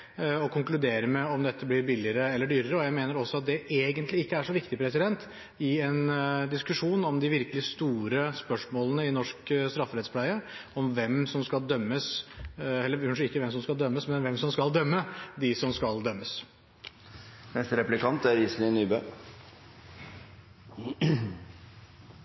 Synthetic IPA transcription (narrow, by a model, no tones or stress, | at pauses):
ɔkʰʊŋklʉd̪eːɾəmɛɔmd̪ɛt̪ʰːəblɪɾbɪlɪəɾəɛlːəɖyːɾəɾəɔjæɪmeːnəɾɔsːɔɑt̪̚d̪ɛʔeːɡənt̪lɪɪkːəæʂɔʋɪkt̪ɪpʰɾɛsɪd̪ɛnt̪ | ɪɛnd̪ɪskʉʂuːnɔmd̪ɪʋɪɾkəlɪst̪uːɾəspœʂmoːlənəɪnɔʂkst̪ɾɑfːəɾɛt̪spʰlæɪəɔmʋɛmsɔmskɑld̪œmːəs | ɛlːəɑnʂɪkːəʋɛms̬ɔmskɑld̪œmːəsmɛnʋɛmsɔmskɑld̪œmːəd̪ɪsɔmskɑld̪œmːəs | mɛst̪əɾɛplɪkʰɑnt̪æɾiːsnɪnyːbøː